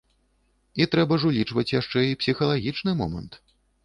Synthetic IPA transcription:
it̪ɾɛbɐʐulʲit͡ʂvɐt͡sʲjaʂt͡ʂɛipsʲixɐlˠaɣʲit͡ʂnɨmɔ̰mɐ̰nt̪

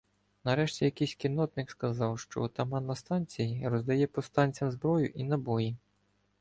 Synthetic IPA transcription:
nɐɾɛʃtʲijɐkɛjsʲkɪnɔt̪nɪkskɐzɑwʃt͡ʃɔ̰t̪ɐmɑnːɐst̪ɑnʲt͡sʲijirɔzd̪ɐjɛpɔst̪ɑnʲt͡sʲɐmzbɾɔjʊ̰ʔinɐbɔji

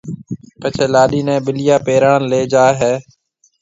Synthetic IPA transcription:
pət͡ʃʰeːlaːɗiːnɛ̃ːbɪlɪjaːpeːɾaːɽleːd͡ʒaːɦeː

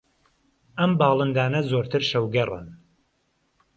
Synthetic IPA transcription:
ɐmbɑːlˠɨnd̪aːnɐzoːɾt̪ʰɨɾʃɐwɡɐrˤɨ̰n

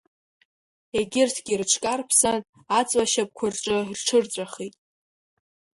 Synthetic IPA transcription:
eɡʲɪrtʰɡʲirʈ͡ʂʰkʼarpʰsan | at͡sʼwaʃap̚kʷʰʊrʈ͡ʂʼɨirʈ͡ʂʰɨrt͡sʷʼaχitʼ

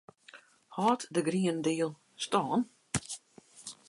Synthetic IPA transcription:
hɔːtdəɡriəndiːəlˠ | stɔːn

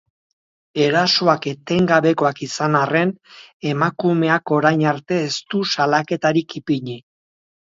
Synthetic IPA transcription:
e̞ɾaso̞ake̞t̪e̞ŋɡaβe̞ko̞akisanare̞ne̞makume̞ako̞ɾajɲaɾt̪e̞ːst̪usalake̞t̪aɾikipiɲi

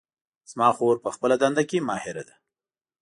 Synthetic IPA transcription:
z̥mɑxoɾpəxpəlad̪and̪akemɑhɪɾa̰d̪a

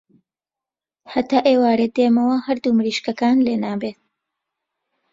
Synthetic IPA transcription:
hɐt̪aːʔeːwaːɾed̪eːmɐwɐhɐɾd̪umɾiːʃkɐkaːnleːnaːbeːt̪̚

